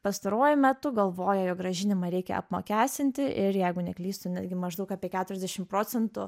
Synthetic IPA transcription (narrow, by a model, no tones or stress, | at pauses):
pɐst̪ɐɾuɔjʊmʲæt̪ʊɡɐlˠʋoːjɛjoːk̚ɡrɐʒʲɪnʲɪmɐɾʲɛɪkʲɛ̰ɐ̰pmo̰kʲæːsʲt̪ʲɪnʲt̪ʲɪʔɪɾjɛɪɡʊnʲɛklʲiːst̪ʊnʲæːd̪ʲɡʲɪmɐʒd̪ɐʊkɑːpʲiɛkʲæːt̪ʊɾʲɛzʲd̪ʲɛʃʲɪmpɾoːt͡ssʲɛnt̪ʊ